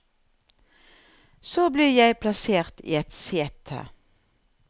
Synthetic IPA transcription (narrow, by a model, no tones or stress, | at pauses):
soːbliːjæɪpʰlɑseːʁt̪ʰḭːɛt̪seːt̪ʰə̰